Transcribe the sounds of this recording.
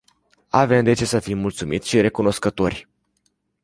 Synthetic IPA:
ave̞md̪e̞t͡ʃe̞səfimːult̪sumit̪sʲʃiɾe̞kuno̞skət̪o̞rʲ

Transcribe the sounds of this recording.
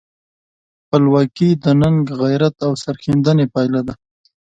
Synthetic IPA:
pəlwɑkid̪ənaŋɡɣajɾat̪awsaɾxind̪ənepɑjlad̪a

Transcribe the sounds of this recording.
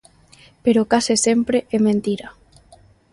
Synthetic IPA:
peɾokasɪsempɾeʔɛmẽnt̪iɾa

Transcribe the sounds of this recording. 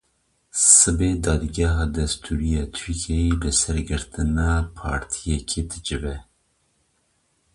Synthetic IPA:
sɨbeːd̪ɑːd̪ɡɛɦɑːd̪ɛst̪ʰuɾijɑːt̪ʰyɾkʰejebɨsɛɾɡɨɾt̪ɨnɑːpʰɑ̰ːɾt̪ʰijɛkʰeːd̪ɨd͡ʒɨvɛ

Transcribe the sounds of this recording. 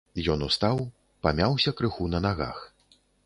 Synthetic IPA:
jɔnust̪aw | pamʲawsʲɐkɾɨxunɐnaɣa̰x

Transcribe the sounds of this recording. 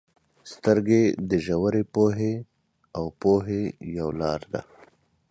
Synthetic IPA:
st̪əɾɡed̪əʒawaɾepoɦe | awpoɦejawlɑːɾd̪a̰

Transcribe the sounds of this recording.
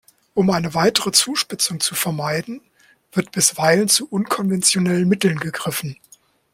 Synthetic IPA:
ʔʊmʔaɪnəvaɪtəʁət͡suːʃpɪt͡sʊŋt͡sufɛɐmaɪdn̩ | v̥ɪɐtb̥ɪsv̥aɪlənt͡suʔʊnkʰɔnvɛnt͡sjonɛlənmɪtl̩nɡəɡʁɪfn̩

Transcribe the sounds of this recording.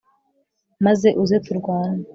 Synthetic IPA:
maze̞ʔuzetuɾɡwaːna

